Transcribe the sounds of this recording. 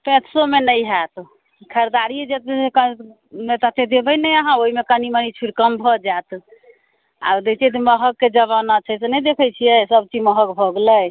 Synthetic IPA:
pɛ̃t̪somenəɦat̪ | kʰəɾd̪aɾied͡ʒet̪ek | met̪ət̪ed̪ebəjnɛjaɦãoɦimekənimənit͡ʃʰiɾkəmbʱɔd͡ʒat̪ | a̰d̪ekt͡ʃʰɛt̪̬məɦəkːed͡ʒəβanat͡ʃʰəsenɛd̪ekʰəjt͡ʃʰijɛsəb̚t͡ʃid͡ʒməɦəkbʱɔɡləj

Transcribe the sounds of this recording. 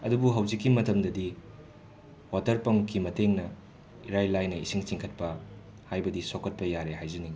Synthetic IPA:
ɐdubuɦɐwzikːimɐtɐmdɐdi | watɐɾpɐŋkʰimɐteŋnɐ | iɾajlajnɐisiŋt͡ʃiŋkʰɐt̚pɐ | hajbɐdisokːɐt̚pɐjaɾehajzɐniŋ

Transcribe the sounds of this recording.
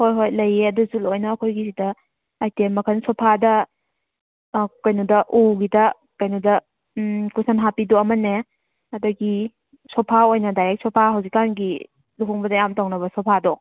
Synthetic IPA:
hojɦojlɐjeɐduzulojnɐːkʰojɡisidɐː | jtemːɐkʰɐnsɔpʰadɐ | kɐjnudɐʔuɡidɐ | kɐjnudɐ | kusanɦapidɔɐmɐne | ɐduɡi | sɔpʰaojnɐdaɾek̚sɔpʰaɦɐwzikːanɡi | luɦuŋbɐdɐjamtaŋnɐbɐsɔpʰadɔ

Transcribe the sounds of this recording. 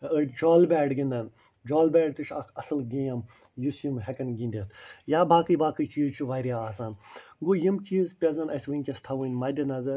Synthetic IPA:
ɨd͡ʒɔːlbʲɛːɖɡind̪ɐn | d͡ʒɔːlbʲɛːɖt̪iʃʰɐkʰɐsɨlɡiːjɐm | jusjimɦɛkɐnɡʲĩnʲd̪ʲit̪ʰjaːbaːkɨjbaːkɨjt͡ʃiːzt͡ʃʰiʋaːɾijaaːsaːnɡojimt͡ʃiːzpʲɐzɐnɐsʋɨnʲkʲɐst̪ʰɐʋɨnʲmɐd̪ʲɐnɐzɐɾ

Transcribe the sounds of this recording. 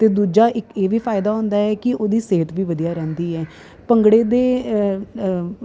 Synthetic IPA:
t̪eːd̪uːd͡ʒaːʔɪkeːʋiːpʰaːɪd̪aːɦʊ̃ːnd̪aːɦɛːkɪoːd̪iːseɦət̪ʋiːʋəd̪ijaːɾɛ̃ːnd̪iːɛː | pəŋɡɽeːd̪eː

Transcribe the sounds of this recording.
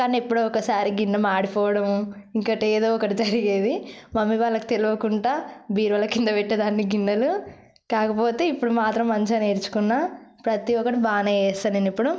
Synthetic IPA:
kaːniepːuɽoːɔkɐsaːɾiɡinːɐmaːɽipɔːʋɐɽɐm | iŋkɐʈeːd̪o̞ːɔkɐʈid͡ʒɐɾiɡeːd̪imɐmːiʋaːɭːɐki̥t̪eluʋɐkuɳʈaːbiːɾʋɐːlːɐkind̪ɐʋɛʈːɐd̪aːnːiɡinːɐlu | kaːkɐpo̞ːt̪e̞ːipːuɽumaːt̪ɾɐmːɐɲt͡ʃɐneːɾt͡ʃu̥kunːapɾɐt̪iɔkɐʈibaːnɐɛːst̪ɐnɐnipːuɽu

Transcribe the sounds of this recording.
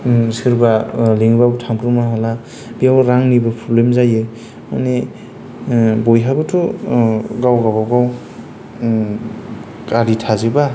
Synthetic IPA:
sɯɾbaleŋbawtʰamɾumaɦala | biawɾaŋnibɯpʰɾɔblemzajɯ | ma̰ne | bojɦabɯtʰɔ | ɡawɡabawɡaw | kaɾitʰaziba

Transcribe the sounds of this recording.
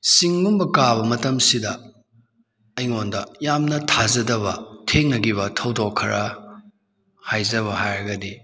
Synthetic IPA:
siŋːumbɐkabɐmɐtɐmsidɐ | ɐjŋondɐjamnɐtʰazɐdɐbɐtʰeŋnɐɡiβɐtʰɐwdokʰɐɾɐ | hajzɐβɐhajɾɐɡɐdi

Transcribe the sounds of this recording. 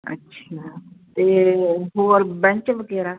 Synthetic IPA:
ə̰tːʃʰaːt̪eːɦoːɾbɛ̃ɲt͡ʃʋəɡeːɾaː

